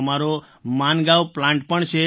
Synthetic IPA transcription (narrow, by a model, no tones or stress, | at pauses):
maɾo | manɡaʋplãɳʈpəɳt͡ʃʰe